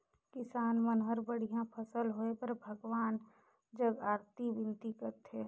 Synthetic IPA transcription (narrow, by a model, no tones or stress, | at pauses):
kɪsaːnmənɦəɾbəɽ̤ijãpʰəsəlɦoːepɐɾbʱəɡwaːn | d͡ʒəɡaːɾt̪ibɪ̃nt̪ikəɾt̪ʰe